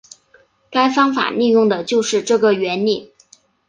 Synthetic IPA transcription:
ka˥ɪfɑ˥ŋfa̰˨˩li˥˧jʊ˥˩ŋd̪ə˩t͡ɕjo˥˧ʊʂɻ̩˥˧ʈ͡ʂɤ˥˩ɡə˩ɥɛ˧˥nli˥˩

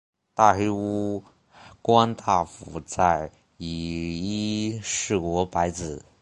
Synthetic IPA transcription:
t̪a˥˩xe˥ɪu˥ | kwa˥nt̪ʰa˥˩fu˧˩˥t͡sa˥˩ɪ | i˨˩i˥ʂɻ̩˥˩kwɔ˧˥pa˧˥ɪt͡sɹ̩˨˩

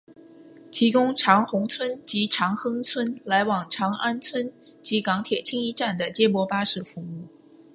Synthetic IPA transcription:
t̪ʰi˧˥kʊ˥ŋʈ͡ʂʰɑ˧˥ŋxʊ˧˥ŋt͡sʰwə˥nt͡ɕi˧˥ʈ͡ʂʰɑ˧˥ŋxɤ˥ŋt͡sʰwə˥nla˧˥ɪwɑ˨˩ŋʈ͡ʂʰɑ˧˥ŋʔa˥nt͡sʰwə˥n | t͡ɕi˧˥kɑ˧˥ŋt̪ʰjɛ˨˩t͡ɕʰi˥ŋi˧˥ʈ͡ʂa˥˩nd̪ə˩t͡ɕjɛ˥mwɔ˥pa˥ʂɻ̩˥˩fu˧˥mu˥˩

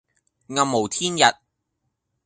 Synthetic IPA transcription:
ŋɐ˨mːo˨˩wt̪ʰiː˥njɐ˨t̚

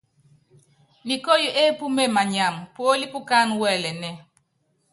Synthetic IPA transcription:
ni˨ko˦jo˨ʔe˦pu˦me˦ma˨ɲa˨mpwo˦li˦pu˦ka˦nwɛ˦lɛ˨nɛ˦

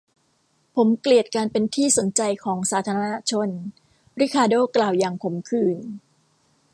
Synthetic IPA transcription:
pʰo˩˦mkli˨˩ət̪̚kaː˧npe˧nt̪ʰiː˥˩so˨˩˦nt͡ɕa˧jkʰɔː˩˦ŋsaː˩˦t̪ʰaː˧ɾa˧na˧˥t͡ɕʰo˧n | ɾi˦˥kʰaː˧doː˥˩klaː˨˩wjaː˨˩ŋpʰo˩˦mkʰɯː˧˩n

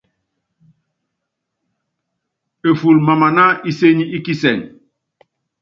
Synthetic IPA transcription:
e˨fu˨lma˨ma˨na˦ʔi˦se˦ɲi˦i˦ki˦sɛ˨ŋ

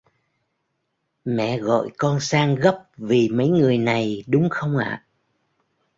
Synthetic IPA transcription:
mɛ̰˧˨ɣɔ̰˧˨jkɔ˧nsaː˧ŋɣə˦˥p̚vi˨˩mə˨˦jŋɨ˨˩əjna˨˩jɗʊ˨˦ŋ͡mxə˧wŋ͡mʔa̰ː˧˨

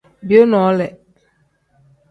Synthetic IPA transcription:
bi˨o˦nɔ˨˦lɛ˨

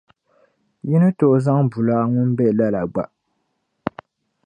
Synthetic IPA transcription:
ji˦nɨ˦to˨ʔza˦ŋbu˨la˦ŋʊ˦n˦bɛ˦˨la˦la˨ɡ͡ba˨ʔ

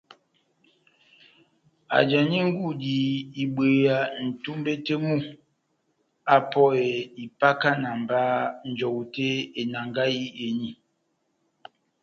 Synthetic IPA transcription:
a̰˨d͡ʒa˨ɲi˦ŋ˦ɡu˦˨di˨i˨ɓwe˨a˨n̩˨tu˦mbe˦te˦mu˦ | a˦pɔ˦e˨i˨pa˦ka˦na˨m˨ba˦n̩˨d͡ʒɔ˨wu˨te˦e˨na˨ŋɡa˦ji˦e˨ɲi˨

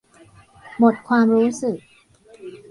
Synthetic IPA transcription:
mo˨˩t̪̚kʰwaː˧mɾuː˦˥sɯ˨˩k̚

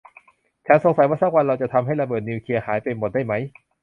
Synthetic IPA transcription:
t͡ɕʰaː˧˩nso˩˦ŋsa˨˦jwaː˥˩saː˥˩kwa˧nɾa˧wt͡ɕa˨˩t̪ʰa˧mɦa˥˩jɾa˧bɤː˨˩t̪̚ni˧wkʰli˧ɐhaː˩˦jpa˧mo˨˩t̪̚daː˥˩jma˦˥j

